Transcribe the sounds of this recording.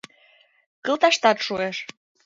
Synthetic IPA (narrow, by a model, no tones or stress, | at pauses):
kə̆lt̪ɑʃt̪ɑt̪ʃueʃ